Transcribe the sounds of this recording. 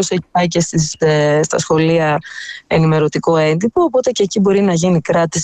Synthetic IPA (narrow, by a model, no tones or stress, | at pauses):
useɐcest̪isst̪ɐsxo̞liɐe̞nime̞ɾo̞t̪ikoe̞nd̪ipoːpo̞t̪ece̞ːcibo̞ɾinɐʝinikɾɐt̪is